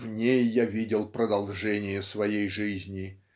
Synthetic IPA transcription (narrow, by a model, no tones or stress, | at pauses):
vnʲejːavʲidʲɪlˠpɾəd̪ɐlˠʐɛnʲɪjəsvɐjejʐɨzʲnʲɪ